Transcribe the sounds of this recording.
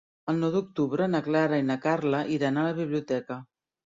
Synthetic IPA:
əlˠnɔwd̪uk̚t̪uβɾənaklaɾainakaɾləʔiɾanaləβiβliut̪ɛkə

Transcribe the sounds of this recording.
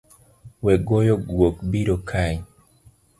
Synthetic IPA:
wɛɡojɔɡwokbiɾokʰaj

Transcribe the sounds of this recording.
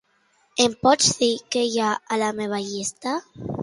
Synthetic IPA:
empɔd͡ʒðikejaːlameβ̞aʎist̪a

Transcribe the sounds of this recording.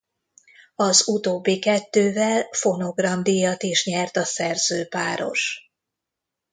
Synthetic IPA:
ɒzut̪oːbːikɛt̪ːøːvɛlfo̞no̞ɡrɒmd̪ijɒt̪eːʃɲɛrt̪ɒsɛrzøːpaːɾo̞̰ʃ

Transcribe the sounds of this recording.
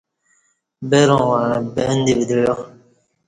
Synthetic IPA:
bɛɾɔ̃wabɛndibid̪uɔ

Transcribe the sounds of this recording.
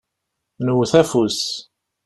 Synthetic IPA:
nəwθæfus

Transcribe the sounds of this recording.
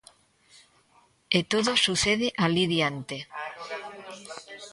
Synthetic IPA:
et̪oðosuθeð̞eʔaliðjant̪e

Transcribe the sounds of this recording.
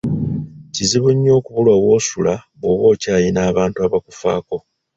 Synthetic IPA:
ciziβuɲːo̞ːkuβulwaβwo̞ːsulaβoβo̞ːcaːjinaːβaːntuaβakufa̰ːko̞

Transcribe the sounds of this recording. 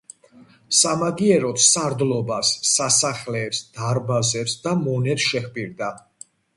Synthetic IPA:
samaɡiɛɾɔt̪ʰsaɾd̪lɔbasːasaχlɛːpsd̪̥aɾbazɛpsd̪amɔnɛt̪ʃɛχpʼiɾd̪a

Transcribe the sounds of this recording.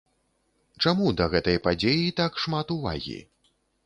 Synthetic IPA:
t͡ʂamud̪ɐɣɛt̪ɐjpad͡zʲejit̪akʂmat̪uva̰ɣʲḭ

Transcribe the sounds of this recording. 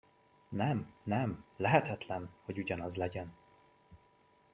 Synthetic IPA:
nɛmnɛmlɛɦɛt̪ɛt̪lɛnho̞ɟuɟɒnɒzlɛɟɛn

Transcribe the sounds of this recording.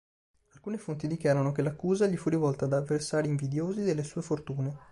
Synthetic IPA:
alkuːnefont̪id̪ikjaːɾanokelakːuːzaʎifurivɔlt̪aːd̪avːersaːɾiːɱvid̪joːzid̪elːesuːefort̪uːne

